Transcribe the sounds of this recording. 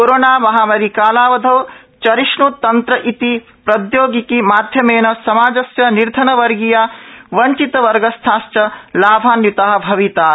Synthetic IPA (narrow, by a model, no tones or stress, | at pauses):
koɾoːnaːmɐɦamɐɾikaːlaːʋɐd̪ʱɐw | t͡ʃɐɾiʃnut̪ɐnt̪ɾɐʔit̪i | pɾɐd̪joːɡikimaːd̪ʱjɐmeːnɐsɐmaːd͡ʒɐsjɐniɾd̪ʱɐnɐʋɐɾɡijaʋɐɲt͡ʃit̪ɐʋɐɾɡɐst̪ʰaːst͡ʃɐlaːbʱaːnjut̪aɦɐ̆bʱɐʋit̪aː